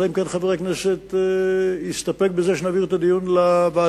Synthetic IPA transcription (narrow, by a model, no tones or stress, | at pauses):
limkenχaveʁekneset̪ | ist̪apek̚bezeʃenaviet̪ad̪ijunlabaː